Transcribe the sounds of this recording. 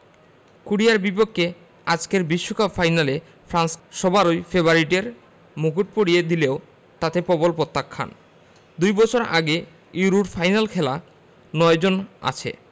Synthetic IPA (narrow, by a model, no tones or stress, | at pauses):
kuɽiaɾbipokʰːe | ad͡ʑkeɾbiʃːokabfajnale | pʰɾansʃɔbaɾojfeβaɾiʈeɾ | muɡuʈ̚poɽijed̪ileo | t̪at̪epɔbolpɾot̪ːakʰːa̰n | d̪ujbɔt͡ɕʰoɾa̰ɡe | iɾuʈfajnalkʰɛla | nɔed͡ʑona̰t͡ɕʰḛ